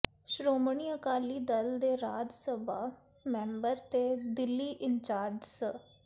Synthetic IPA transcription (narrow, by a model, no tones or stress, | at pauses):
ʃɾoːmɳiːəkaːliːd̪əld̪eːɾaːd͡ʒ̪səbaː | mɛ̃ːmbəɾt̪eːd̪ɪlːiːʔɪnt͡ʃaːɾd͡ʒs